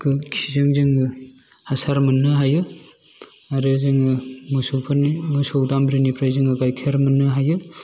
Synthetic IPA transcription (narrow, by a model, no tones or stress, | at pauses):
kʰɯkʰizɯŋzɯŋɯ | hasaɾmɯnːɯɦajɯ | aɾɯzɯŋɯmɯsupʰnmɯsowdambɾinipʰɾajzɯŋɯɡajkʰeɾmɯnːɯɦajɯ